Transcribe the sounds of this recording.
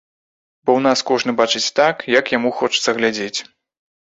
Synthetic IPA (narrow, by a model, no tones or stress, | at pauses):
bɔwnaskɔʐnɨbat͡ʂɨt͡sʲt̪akjɐkjamuxɔt͡ʂɨ̥t̪sɐɣlʲad͡zʲet͡sʲ